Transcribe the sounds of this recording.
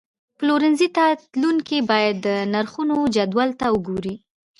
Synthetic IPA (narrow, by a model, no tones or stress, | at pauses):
ploɾɪnzit̪at̪luŋkibɑjad̪ːənaɾxunod͡ʒad̪walt̪aəɡoɾi